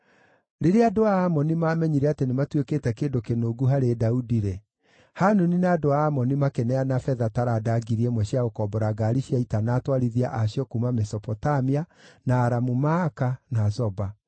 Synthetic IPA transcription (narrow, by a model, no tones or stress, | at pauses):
ɾeɾeadoaːmɔnimaːmɛɲiɾɛatenematwekeːtɛkeːdokenoːɡuɦaɾedaudiɾe | hanoninadoaːmɔnimakenɛanafɛðataɾadaɡiɾiɛmwɛɕiaɣokɔbɔɾaɡaɾiɕiaitanaːtwaɾiðia̰ʔaɕjɔkumamɛsɔpɔtamianaːɾamumaːkanazɔba